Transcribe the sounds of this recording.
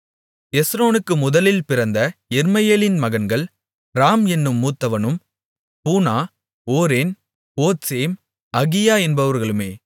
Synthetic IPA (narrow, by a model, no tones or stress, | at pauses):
ɛsɾoːnɯkːɯmʊðɐlɪlpɪɾɐnd̪ɐɛɾmɐjeːlɪnmɐɣɐnɡɐɭ | ɾaːmɛnːɯmːuːt̪ːɐʋɐnɯm | puːnaː | oːɾeːn | poːtseːm | ɐɣɪjaːɛnbɐʋɐɾɣɐɭɯmeː